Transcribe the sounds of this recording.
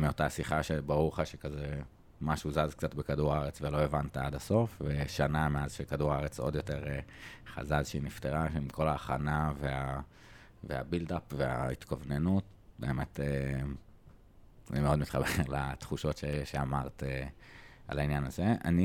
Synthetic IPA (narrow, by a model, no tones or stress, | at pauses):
meo̞tasiχaʃebaʁuʁχaʃekaze | maʃuzazkt͡satbekaduʁaaʁet͡svelo̞evantaadaso̞fveʃanameazʃekaduʁaaʁet͡so̞d̪jo̞te̞ʁeχa̰zazʃeinifteʁaʃeimko̞laːχanavea | vea̰bildapvea̰it̪kavnenut | beːmete | a̰nimeo̞dmit̪χabeʁlat̪χuʃo̞tʃeeʃeamaʁt̪e | a̰lainjanazeʔa̰ni